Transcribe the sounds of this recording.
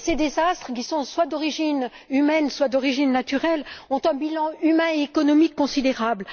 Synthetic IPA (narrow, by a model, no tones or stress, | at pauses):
sed̪ezast̪χək̬ʲisɔ̃swad̪ɔʁiʒin | ymɛnswad̪ɔʁiʒinːat̪yʁɛlɔ̃t̪ɛ̃bilɑ̃ymɛ̃eekɔnɔmikːɔ̃sid̪eʁabl